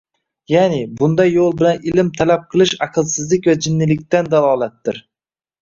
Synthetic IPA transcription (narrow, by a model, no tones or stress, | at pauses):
janɪbʊnd̪ajːolˠbɪlanɪlɪmt̪ʰalap̚qʰɨlˠɪʃɑqʰɨlˠsɪzlɪkʲvad͡ʒɪnːɪlɪk̚ʲt̪and̪alˠɒːlˠat̪ːɪɾ